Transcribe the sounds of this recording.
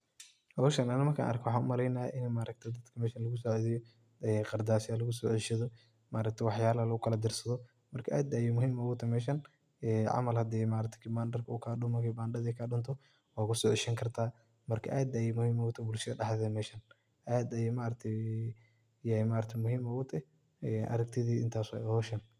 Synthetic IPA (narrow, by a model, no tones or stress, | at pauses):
hɔʊʃɐnɐnɪmɐrkʰa̰ʔɐ̰rkʰɛwħɑːnʊ̰mɐɾɛjna̰ːʔɪnmaːɾʔɐk̚t̪ʰɛd̪ɐd̪̥kʰɐmɛːʃɐnlɐɣʊs̬ɔːʕɔðɪjɔ | ɛqɑrd̪aːʃalɐɣʊs̬ɔːʕɪʃɐðɔ | maːɾɐk̚t̪ʰɐwɑħjaːlɐɐlɐɣʊkʰɐlɐd̪ɪrsɐðɔ | mɐrkʰɐʔaːd̪aːjimʊhiːmɔɣʊt̪ʰɐmɛːʃɐn | ɛːʕɑ̰mɐlhɐd̪ɛːmaːɾɐt̪ʰɛ̥kʰibaːnɖɐrkʰɐuːkʰaːɗʊmɐkiːbaːnɖɐðɛkʰaɗʊnt̪ʰɔ | waːkʊsɔːʕɪʃɐŋkʰɐrt̪ʰaː | mɐrkʰɐ̰ʔaːd̪ɐjimʊhiːmɔɣʊt̪ʰɐbʊlʃɐðɐɖɐhðɛːmɛːʃɐn | ʔaːd̪ɐjɛmaːɾɐk̚t̪ʰɛ | jɛmaːɾɐk̚t̪ʰɐmʊhiːmɔɣʊt̪ʰɐ | ɛʔɐ̰ɾɐɡ̚t̪ʰɪðiːʔɪ̰nt̪ʰaːswɛ̰ɐhɔːʃɐn